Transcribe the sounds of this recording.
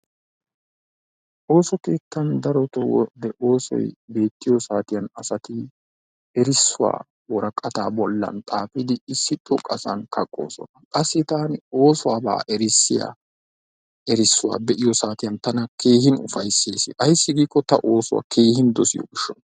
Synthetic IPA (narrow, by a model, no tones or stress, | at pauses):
ʔo̞ːsɔke̞ːt̪ːɐnd̪ɐɾɔt̪ɔwɔ̰d̪ɛʔo̞ːsɔ̰jbe̞ːt̪ːɪjɔsaːt̪ɪjɐnɐsɐt̪ɪ | ɛɾɪsːʊwa̰ː | wɔɾɐkʼːɐt̪aːbɔlːɐ̰nt̪ʼaːpɪd̪ɪɪsːɪt̪ʼːʊkʼɐsɐ̰nkʰɐkʼːo̞̰ːsɔ̰nɐkʼɐsːɪt̪aːno̞ːsʊwaːba̰ːʔɛɾɪsːɪja̰ | ɛɾɪsːʊwa̰ːbɛʔɪjɔsaːt̪ɪjɐnt̪ɐnɐkʰe̞ːhɪnʊfɐjsːe̞ːsɪ̰ʔɐjsːɪɡiːkːɔt̪ɐʔo̞ːsʊwa̰kʰe̞ːhɪnd̪ɔsɪjɔ̰ɡɪʃːɔn